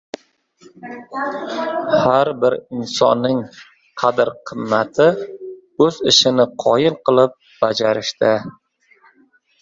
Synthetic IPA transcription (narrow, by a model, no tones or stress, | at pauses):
haɾbɪɾɪnsɒnːɪŋ | qʰɑd̪ɪɾqʰɨmːat̪ʰɪ | ɵzɪʃɪnɪqʰɒjɪlˠqʰɨlˠɪp̚ | b̥ad͡ʒaɾɪʃt̪ɪ